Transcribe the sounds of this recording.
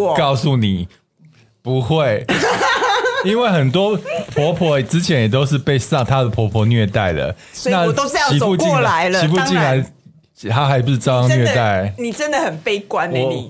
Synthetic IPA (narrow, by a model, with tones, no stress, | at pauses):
kɑ˥˧ʊsu˥˩ni˨˩ | pu˨˦xwe˥˨˩ɪ | i˥nwe˥˩ɪxə˨˩nt̪wɔ˥pʰwɔ˧˥pʰwɔ˧˥˨ʈ͡ʂɻ̩˥t͡ɕʰjɛ˨˦njɛ˨˩t̪o˥ʊʂ̬ɻ̩˥˧pe˥˧ɪsa˥˩ŋt̪ʰa˦d̪ə˨pʰwɔ˨˥pʰwɔ˧˦nɥɛ˥˧t̪a˥˩ɪd̪ə̰˩ | swna˥˨t̪o˥ʊ˥jɑ˥˨i˧˥˨pu˥˧ki˥˨la˨˦ɪlət͡ɕi˧˥pu˥˧t͡ɕi˥˩na˧˦ɪ | t̪ʰa˥xa˧˥ɪp̬u˨˩˥t͡sɑ˥˧ʊɑ˥˧ŋnɥɛ˥˧t̪a˥˩ɪni˨˩ʈ͡ʂə˦nd̪ə˨hə˨˩npe˥˧ɪkwa˦nɔ˦˨ni˨˩